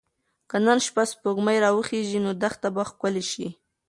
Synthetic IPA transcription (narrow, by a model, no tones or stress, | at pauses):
kənanʃpaspoɡmajɾɑwəxeʒinod̪axt̪abaxkəleʃi